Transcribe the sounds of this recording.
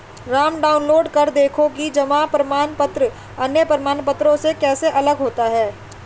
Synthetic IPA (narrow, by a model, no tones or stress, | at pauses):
ɾaːmɖaːʊnloːɖkɐɾd̪eːkʰõkid͡ʒɐmapɾɐmaːnpət̪ɾə | ɐnjəpɾəmaːnpət̪ɾõsekɛːseʔɐləɡɦoːt̪aɦɛː